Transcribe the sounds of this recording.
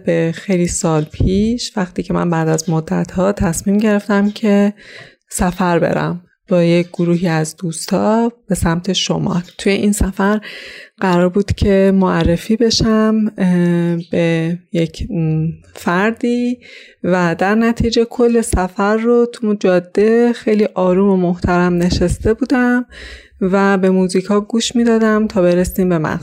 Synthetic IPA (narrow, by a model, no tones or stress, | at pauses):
bexejliːsɒːlpʰiːʃvæχt̪iːcʰe̞mæ̰nbæːd̪æzmod̪ːæ̰t̪ʰhɒːt̪ʰæsmiːmɟe̞ɾe̞ft̪æmcʰe̞ | sæfæɾbe̞̰ɾæ̰m | b̥ɒːjecɡoɾuːɦiːæzd̪uːst̪ɒːb̥e̞sæmt̪ʰe̞ʃo̞mɒ̰ːlt̪ʰuje̞ʔiːnsæfæɾɢ̥æɾɒːɾbuːd̪̥cʰe̞moærːe̞fiːbe̞ʃæm | beje̞cʰ | fæɾd̪iː | væd̪æɾnæt̪ʰiːd͡ʒe̞kʰolːe̞sæfæɾːot̪ʰud͡ʒɒːd̪̥ːe̞xe̞jliːʔɒːɾuːmomoht̪ʰæɾæmne̞ʃest̪e̞buːd̪æm | væbe̞muːziːkʰɒːɡuːʃmiːd̪ɒːd̪æmt̪ʰɒːbe̞ɾesiːmbe̞mæ̰n